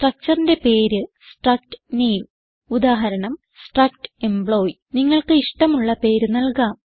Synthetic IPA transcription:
sʈrɐk̚t͡ɕɐrinde̞pe̞ːɾɨ | sʈrɐk̚ʈɨ̥neːm | ud̪aːɦɐɾɐɳɐm | sʈrɐk̚ʈe̞mbɭo̞ːj | niŋːɐɭkɨiʂʈɐmuɭːɐpe̞ːɾɨnɐlkaːm

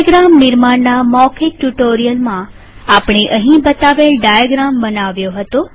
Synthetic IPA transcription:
ɡɾamːɪɾmaɳnːamɔkʰeːuʈoɾijəlmã | apɳ̃eʔəɦĩbət̪aʋelɖajaɡɾambənaʋjoɦət̪o

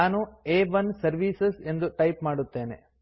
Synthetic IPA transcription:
aːnueːʋɐnsɐɾʋiːsese̞nd̪uʈɐjpmaːɽut̪ːe̞ːnḛ

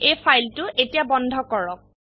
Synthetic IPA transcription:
ejpʰajltʊʔetijabɔndʱɔkɔɹɔk̚

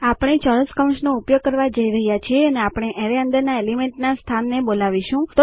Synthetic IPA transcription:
apɽ̃et͡ʃɔɾəskəw̃nsnoupjoɡ̚kəɾʋad͡ʒəiɾəɦjat͡ʃʰieəneapɽ̃eʔɛ̃ɾeə̃nd̪əɾnaelimẽɳʈnast̪ʰanːebolaʋiʃũt̪

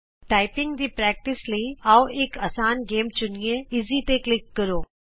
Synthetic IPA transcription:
ʈaːɪpɪ̃ŋɡd̪iːpɾɛːk̚ʈɪsleĩaːoeːkɐːsaːnɡeːmt͡ʃʊnijẽɪzit̪eklɪkːɐɾoː

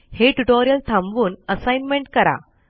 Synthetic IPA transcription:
heʈuʈoɾijəlt̪ʰãmʋuːnəsajnmẽɳʈ̚kəɾa̰

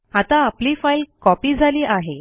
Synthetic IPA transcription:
at̪ãapliːfailkɔpiːd͡zʱaliːʔaɦe

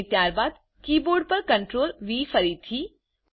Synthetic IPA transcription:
t̪jaːɾbaːd̪ | kiːboːɾɖ̚pɐɾkə̃ɳʈɾoːlʋiːfəɾit̪ʰiː

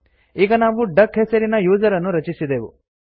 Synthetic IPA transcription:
iːɡɐnaːʋuɖɐkɦesɐɾinɐjuːd͡ʒɐɾɐnːuɾɐt͡ʃisid̪eːʋu

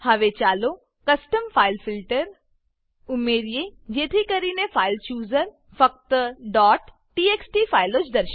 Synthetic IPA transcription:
hɐʋet͡ʃaːlo | kɐsʈəmfʰaːɪlfɪlʈəɾ | ʊmeːɾjed͡ʒeːt̪ʰikəɾinefaːɪlt͡ʃuːzəɾ | fɐk̚t̪ɖɔːʈː | ieːksʈifʰaːɪlot͡ʃd̪ɐɾʃ

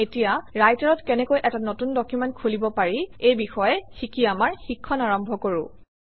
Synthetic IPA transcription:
etijaɹajtaɹɔtkɛnɛkojʔɛtanotundɔkjumɛntkʰulibɔpaɹiejbixɔjɛxikiamaɹxikʰːɔnaɹɔmbʱɔkoɹʊ̰

